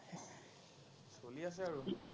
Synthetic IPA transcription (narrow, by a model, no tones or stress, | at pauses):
solias̬ɛaɹu